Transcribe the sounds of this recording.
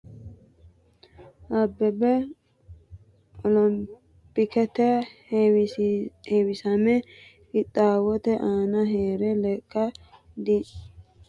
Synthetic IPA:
ʔɐbːɛbɛ | ɔlɔm | pɪkɛt̪ɛ | hewɪsɐmɛ | ɪt̪ʼːaːwɔt̪ɛʔaːnɐɦeːɾɛlɛkʼːɐ | d̪i

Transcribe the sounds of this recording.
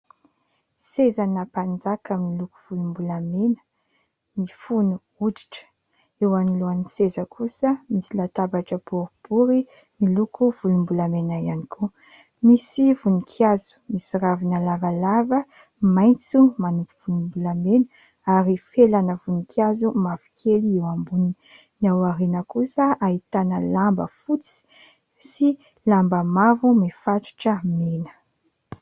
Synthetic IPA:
sezanəpand͡zakəmiluku̥v̥ulumbulamenə̥ | mifunu | udi̥ʈ͡ʂə̥ | ewaniluanisezəkʰusəmisilat̪abaʈ͡ʂəpuɾipuɾi | milukuv̥ulumbulamenaianikʰu | misivunikʰiazu̥misiɾavinalavalavə | majnt͡sumanupuv̥ulumbulamenə | aɾifelanəvunikʰjazumavi̥kʰeliiwambuni | nawaɾenəkusəaɦit̪anəlambə̰fut͡si̥ | si | lambəmavumefaʈ͡ʂu̥ʈ͡ʂəmenə̥

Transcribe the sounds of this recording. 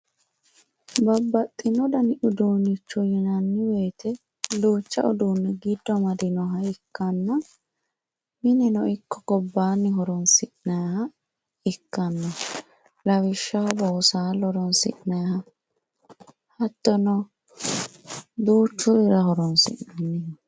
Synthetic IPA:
bɐbːɐt̪ʼːɪnɔd̪ɐnɪʔʊd̪uːnɪt͡ʃːɔjɛnɐnːɪweːt̪ʰɛ | luːt͡ʃːɐ̰ɔd̪uːnːɛɡɪd̪ːɔmɐd̪ɪnɔɦɐɪkːɐnːɐ | mɪnɛnɔɪkːɔɡɔbːaːnːɪɦɔɾɔnsɪʔnɐjhɐ | ɪkːɐnːɔ | lɐwɪʃːɐhɔbɐɔsaːlɔɾɔnsɪ̰ʔnɐjhɐ | hɐt̪ːɔnɔ | d̪uːt͡ʃːʊɪɾɐɦɔɾɔnsɪ̰ʔnɐnːɪ

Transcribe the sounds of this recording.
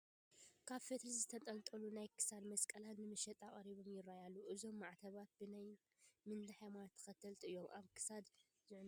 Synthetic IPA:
kʰaβfet̪ɾizɨt̪ʰɐt̪ʼɐnt̪ʼɐlunajkʰɨ̥sad̪mɐskʼɐlanːɨmɨʃɛt̪ʼaχʼɐɾiβo̞mjɪɾːajalːuʔɨzo̞mːaʕt̪ʰɐβat̪̚bɨnaj | mɨnd̪ɨħajmanat̪ʰːɐ̥xɐt̪ʰːɐlt̪ʼɨjːo̞mʔaβkʰɨ̥sad̪ | zɨʕn

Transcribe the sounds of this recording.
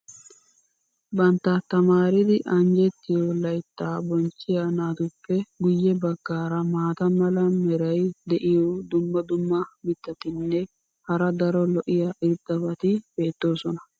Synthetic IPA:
bɐnt̪ːɐt̪ɐmaːɾɪd̪ɪʔɐnd͡ʒɛt̪ːɪjolɐjt̪ːaːbɔnt͡ʃːɪjanaːt̪ʊpːɛɡʊjːɛbɐɡːaːɾɐmaːt̪ɐmɐlɐmɛɾɐjd̪ɛʔɪjod̪ʊmːɐd̪ʊmːɐmɪt̪ːɐt̪ɪnːɛ | hɐɾɐd̪ɐɾɔlɔʔɪjɐʔɪɾd̪ɐbɐt̪ɪbeːt̪ːo̞ːsɔnɐ

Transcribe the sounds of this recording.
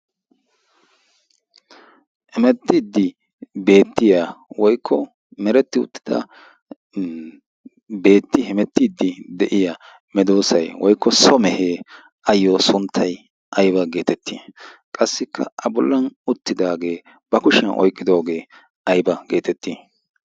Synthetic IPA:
hɛmɛt̪ːɪd̪ːɪ | be̞ːt̪ːɪjawɔjkʰːɔ | mɛɾɛt̪ːɪʊ̰t̪ːɪ̥d̪̥ɐ̰ | be̞ːt̪ːɪhɛmɛt̪ːɪd̪ːɪd̪ɛʔɪjɐ | mɛd̪o̞ːsɐjwɔjkːɔsɔmɛheː | ʔɐjːɔsʊnt̪ʰːɐj | ʔɐjbɐɡe̞ːt̪ɛt̪ʰːikʼɐsːɪkʰːɐ̰ʔɐbʊlːɐnʊt̪ːɪd̪aːɡe̞ː | b̥ɐkʊʃɛnʔɔ̰jkʼːɪd̪o̞ːɡe̞ː | ʔɐjbɐɡe̞ːt̪ɛt̪ːiː

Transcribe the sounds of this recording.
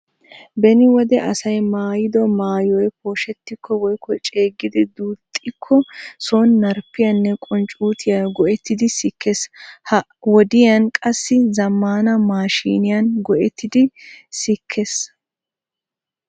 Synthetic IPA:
bɛnɪwɔd̪ɛʔɐsɐjmaːjɪd̪ɔmaːjɔjpoːʃɛt̪ːɪkʰːɔwɔjkɔt͡ʃʼe̞ːɡːɪd̪ɪd̪uːt̪ʼːɪkʰːɔsoːnːɐɾpːɪjɐnːɛkʼɔnt͡ʃʼuːt̪ʰɪjɐɡɔʔɛt̪ːɪd̪ɪsɪkʰːeshɐ | wɔd̪ɪjɐnkʼɐsːɪzɐmːaːnɐmaːʃḭːnɪjɐnɡɔʔɛt̪ʰːɪd̪ɪsɪkʰːes

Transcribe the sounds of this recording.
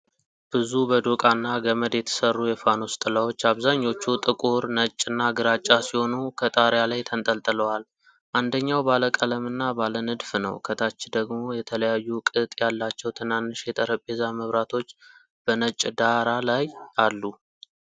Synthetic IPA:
b̥ɨzubəd̪okʼanːaɡəməd̪jɛt̪ʰə̥sərːujɛfano̞st̪ʼɨlawo̞t͡ʃːaβzaɲːo̞t͡ʃːut̪ʼɨkʼuɾnət͡ʃʼːɨnːaɡɨɾat͡ʃʼːasiho̞nukʰət̪ʼaɾjalajt̪ʰənt̪ʼəlt̪ʼɨləwal | ʔand̪əɲːawbaləkʼələmɨnːabalənɨd̪fnə̰wkʰət̪ʰat͡ʃːɪd̪əɡmo̞jɛt̪ʰələjajːukʼɨt̪ʼjalːat͡ʃːɛwt̪ʰɨnanːɨʃjɛt̪ʼəɾəpʼːezaməβɾat̪ʰo̞t͡ʃː | b̥ənət͡ʃʼd̪aɾalajʔalːu

